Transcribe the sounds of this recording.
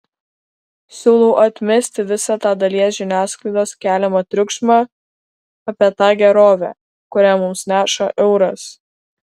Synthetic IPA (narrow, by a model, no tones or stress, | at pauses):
sʲuːlˠʊʔɐt̪ʲmʲɛsʲt̪ʲɪʋʲɪsɑːt̪ɑːd̪ɐlʲiɛsʒʲɪnʲæːsklˠɐɪd̪oːskʲæːlʲɛmɐt̪ʲɾʲʊkʃmɑː | ɐpʲiɛt̪ɑːɡʲɛɾoːʋʲæ̰ː | kʊɾʲæːmʊmsnʲæːʃɐʔɛʊɾɐs